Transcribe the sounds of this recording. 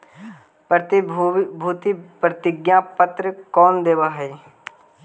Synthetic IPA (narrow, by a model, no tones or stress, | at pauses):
pət̪bʱuːt̪ipɾət̪ɪɡjãpət̪ɾəkɔːnd̪eːʋaːɦɛe